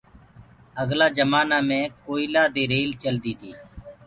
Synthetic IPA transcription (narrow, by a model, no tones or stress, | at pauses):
əɡlaːd͡ʒəmaːnaːmẽːkoːɪlaːd̪eːɾeːlt͡ʃəld̪iːd̪iː